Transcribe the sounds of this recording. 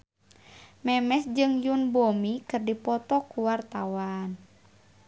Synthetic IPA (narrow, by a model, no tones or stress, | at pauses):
mɛmɛsd͡ʒɨŋjunbomikɨrdipɔt̪ɔkuwart̪awan